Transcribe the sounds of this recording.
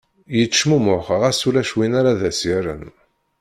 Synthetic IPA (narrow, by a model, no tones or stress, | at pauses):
jət͡sːʃmumʊχʁæsulæʃwinaɾaðæsiɾə̰n